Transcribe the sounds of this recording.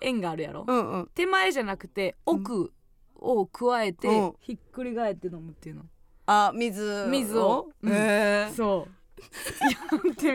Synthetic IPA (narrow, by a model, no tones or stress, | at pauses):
ẽ̞ŋɡaːɾɯ̟ja̰ɾʔo̰ɯ̟̃t̪e̞maeʑanakɯ̟̥t̪e̞okɯ̟ | okɯ̟βae̞t̪eçikːɯ̟ɾʲiɡae̞t̪ːe̞no̞mɯ̟t̪ːeiɯ̟no̞ | amʲizɨmʲizɨoɯ̟̃eɴso̞ː | jant̪e